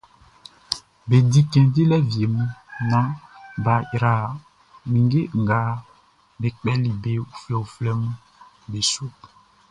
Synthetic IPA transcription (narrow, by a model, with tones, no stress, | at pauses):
be˨di˦kɛ̃˨di˦lɛ˦vje˨mũ˦nã˦ba˨jɾa˨ | mĩ˨ŋɡe˦ŋ̩˨ɡa˨˦ | be˨k͡pɛ˦li˨be˨u˨flɛ˨u˨flɛ˦mũ˦ | be˨su˦